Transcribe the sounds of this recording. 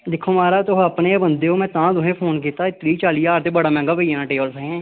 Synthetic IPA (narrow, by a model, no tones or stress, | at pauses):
d̪ɪkʰːoːmaːɾaːt̪oɦəpneːbənd̪eːɦoːmɛ̃ːt̪ãːd̪ʊɦẽːpʰoːnkiːt̪aːɪt̪ɾiːt͡ʃaːliːaːɾt̪eːbəɽaːmɛ̃ːŋɡaːpəieːnãːʈeːbəlsəɦɛ̃ː